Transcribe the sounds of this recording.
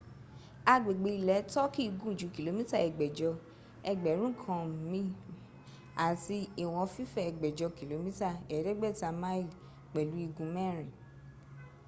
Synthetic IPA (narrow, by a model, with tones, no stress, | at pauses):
a˧ɡ͡be˨ɡ͡be˧i˨lɛ˨˦tɔ˦ki˦i˧ɡũ˦˨d͡ʒu˨˦ki˨lo˨˧mĩ˦ta˦˨ɛ˨ɡ͡bɛ˨d͡ʒɔ˧ | ɛ˧ɡ͡bɛ˨˦ɾ̃ũ˦kʰã˧˨mĩ˧˦ | a˨ti˧i˨w̃ɔ̃˧fi˦fɛ˦˨ɛ˨ɡ͡bɛ˨d͡ʒɔ˧ki˨lo˨˦mĩ˦ta˦˨ɛ˨˦dɛ˦ɡ͡bɛ˦˨ta˧mã˦i˦˨ | k͡pɛ˨lu˨˦i˧ɡũ˧mɛ̃˦˨ɾ̃ĩ˨